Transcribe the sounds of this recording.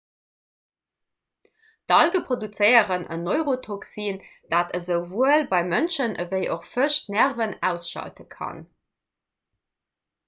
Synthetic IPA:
d̥ɑlɡəpʁodut͡səɪəʁənʔə̰noʏʁotʰoksind̥aːtəzəʊvuəlbɑɪmənʃənʔəvəɪʔoχfəʃtnæʁvənæ̰ʊsʃɑ̰ltəkʰɑ̰n

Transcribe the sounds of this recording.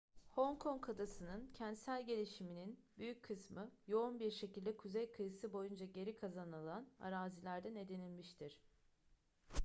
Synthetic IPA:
ho̞ŋkʰo̞ŋkʰad̪asɯnɯncʰɛnt̪sælʲɟe̞lʲiʃimininbyjycʰːɯsmɯjo̞unbiɾʃe̞cilʲd̪ɛkʰuzejkʰɯjɯsɯbo̞jund͡ʒaɟe̞ɾikʰazanɯlˠana̰ɾaːzilʲæɾd̪æne̞d̪enilʲmiʃt̪ʰiɾ̥

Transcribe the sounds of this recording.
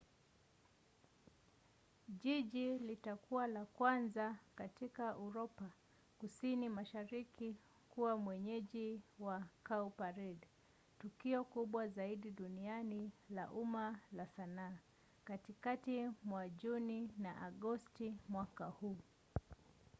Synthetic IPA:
ʄiʄilitakuwalakwanzakatikaʔuɾɔpa | kusinimaʃaɾiki | kuwamwɛɲɛʄiwakaupaɾid | tukiɔkuɓwazaiɗiɗunianila̰ʔumalasanaː | katikatimwaʄuninaʔaɠɔstimwakahuː

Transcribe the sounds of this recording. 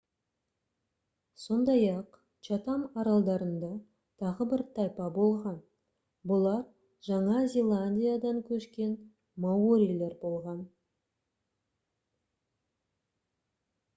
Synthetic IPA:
so̞nd̪ɑjɑq | t͡ʃat̪ɑmɑɾɑlˠd̪ɑɾənd̪ɑ | t̪ʰɑʁəbɪɾt̪ʰɑjpɑbo̞lˠʁɑn | bʊlˠɑɾ | ʒɑɴɑzʲelˠanʲd̪ʲijad̪ɑŋkʲʰɵʃkʲe̞n | mawoɾʲijlʲeɾbo̞lˠʁɑn

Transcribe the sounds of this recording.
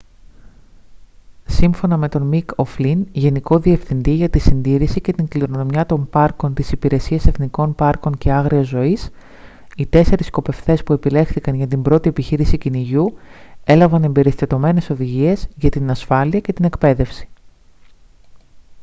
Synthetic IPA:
siɱfo̞nɐme̞t̪o̞nmikoflinʝe̞niko̞ðie̞fθind̪iʝɐt̪isind̪iɾisice̞t̪iŋkliɾono̞mjɐt̪o̞mpɐɾko̞nt̪isipiɾe̞siɐse̞θniko̞npɐɾko̞ɲce̞ɐɣɾiɐzo̞is | it̪e̞se̞ɾisko̞pe̞ft̪e̞spue̞pile̞xθikɐnʝɐt̪imbɾo̞t̪ie̞piçiɾisiciniʝue̞lɐvɐne̞mbe̞ɾist̪ɐt̪o̞me̞ne̞so̞ðiʝie̞zʝɐt̪inɐsfɐliɐce̞t̪inekpe̞ðe̞fsi̥

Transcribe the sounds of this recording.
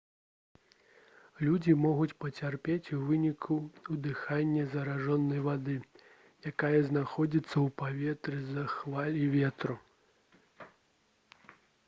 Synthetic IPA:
lʲud͡zʲimɔɣut͡sʲpɐt͡sʲarpʲet͡sʲuvɨnʲikʰuud̪ɨxanʲːɐzɐɾaʐɔnːɐjvad̪ɨ | jakajɐznaxɔd͡zʲit̪sːɐwpavʲɛt̪ɾɨzɐxvalʲivʲɛt̪ɾu

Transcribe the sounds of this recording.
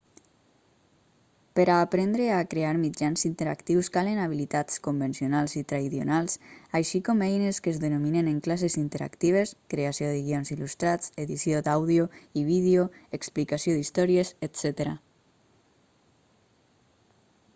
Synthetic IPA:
peɾaːpɾɛnd̪ɾeakɾeaɾmid͡ʒanzint̪eɾa̰kt̪iwskalenaβ̞ilit̪at͡skumbensionalˠzit̪ɾaiðo̰nalˠsajʃikɔmɛjneskezðenomineneŋklasezint̪eɾa̰kt̪iβ̞eskɾeasioðəɣ̞ionzilust̪ɾat͡seðisiod̪awðioiβ̞iðjoeksplikasioðist̪ɔɾieset̪sɛt̪eɾa̰

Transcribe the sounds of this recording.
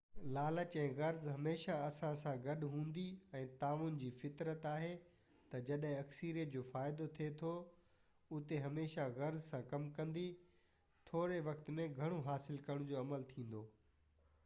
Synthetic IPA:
laːlət͡ɕɛ̃ːɣɐɾzɦɐmeːʃaɐsãsãɡɐɗɦũːnd̪iɛ̃ːt̪aːʋunɪ̆d͡ʑiːfɪt̪ɾət̪aːɦe | t̪ɐd͡ʑɐɗɦɪ̃ɐksiɾijəʈd͡ʑoːfaːɪd̪ot̪ʰiet̪ʰo | ʊt̪eɦɐmeːʃaɣɐɾzsãkɐmkɐ̃nd̪i | t̪ʰoːɾeʋɐkt̪mẽɡʱɐɽ̃oɦaːsɪlkɐɾəɽ̃ʊ̃d͡ʑoːɐməlt̪ʰĩːn̆d̪oː

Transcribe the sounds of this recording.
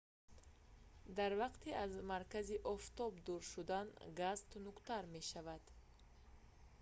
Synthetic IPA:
d̪aɾvaqt̪ʰiazmaɾkaziʔɔft̪ɔbd̪uɾʃud̪anɡazt̪nukt̪aɾme̞ʃavad̪̥

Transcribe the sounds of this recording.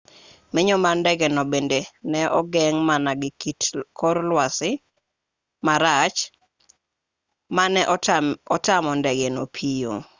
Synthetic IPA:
mɪɲɔmandɛɡɛnɔbendenɛʔɔɡɛŋmanaɡɪkitkʰɔɾlwasɪ | maɾat͡ʃ | manɛʔɔtamɔndɛɡɛnopʰijo̰

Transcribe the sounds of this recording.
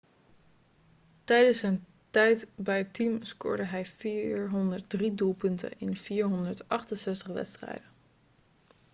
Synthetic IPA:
tɛjdənsɛjn | tɛjtbɛjətimskʊ̰ɹdəɦɛjfiːɹɦɔndəɹt̚dridulˠpɵntə̰nɪnv̥iːɹɦɔndəɹtʔɑχtənsɛstəχʋɛ̰tstrɛ̰jdə

